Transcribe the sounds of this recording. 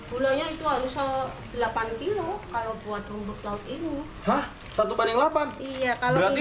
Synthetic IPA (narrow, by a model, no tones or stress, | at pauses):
b̥uloɲait̪uɦaɾusadilapank̪ilɔkalopuat̪umbʊk̚laut̪inu | hah | sat̪ubanɪŋlapanijakala